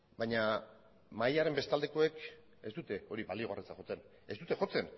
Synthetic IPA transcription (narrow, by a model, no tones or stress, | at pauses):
bajɲa | majaɾe̞mbe̞st̪ald̪e̞ko̞e̞k | e̞sd̪ut̪e̞o̞ɾiβalio̞ɣ̞aret͡saxo̞t͡se̞n | e̞zd̪ut̪e̞xo̞t͡se̞n